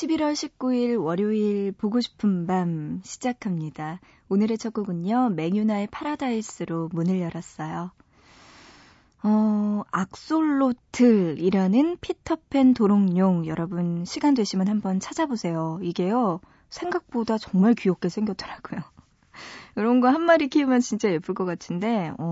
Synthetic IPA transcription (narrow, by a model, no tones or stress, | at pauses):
ɕʰibiɾwʌɭɕʰip̚k͈uiɭwʌɾjoiɭpoɡoɕʰi̥pʰɯmbanɕʰi̥d͡ʑakʰamɲida | onɯɾe̞t͡ɕʰʌɡ͈ɯɡɯɲʌme̞ŋjunaepʰaɾadais͈ɯɾomunɯɭjʌɾas͈ʌjo | ʌak̚s͈oɭːotʰɯɾiɾanɯnpʰitʰʌpʰe̞ntoɾoŋɲoŋjʌɾʌbunɕʰiɡandweɕʰimjɯnɦhambʌnt͡ɕʰad͡ʑabosʰe̞joiɡe̞jo | sʰe̞ŋɡak̚p͈odat͡ɕʌŋmaɭkujok͈e̞sʰeŋɡjʌt͈̚ʌɾaɡ̥ojo | kɯɾʌnɡʌɦanːaɾikʰiumjʌnt͡ɕint͡ɕ͈aep͈uɭk͈ʌk͈atʰɯnde̞ʌ